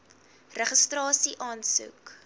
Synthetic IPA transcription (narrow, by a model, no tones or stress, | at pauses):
rəχəstrɑːsiʔɑːnsṵk